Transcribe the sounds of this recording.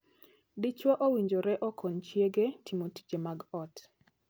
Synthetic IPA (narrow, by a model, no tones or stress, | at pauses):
dit͡ʃwɔʔowiɲd͡ʒoɾɛʔɔkʰɔnt͡ʃjeɡetimoti̥d͡ʒemaɡɔt